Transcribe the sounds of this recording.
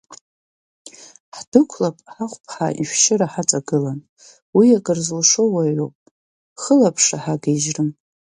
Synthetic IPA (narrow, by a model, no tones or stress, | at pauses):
ħd̥ɨkʷʰlapʼħaχʷpʰħa̰ʔiʃʷʃɪɾaħaʈ͡ʂʼaɡɨlan | wiakʼɨrzlʂowaɥowpʼ | χəlapʰʂaħaɡeʒrɨm